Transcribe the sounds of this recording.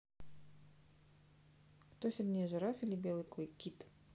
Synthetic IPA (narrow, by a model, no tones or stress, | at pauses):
kt̪osʲɪrʲnʲeʒɨ̆ɾafʲilʲibʲelˠɨjkʰojkʲit̪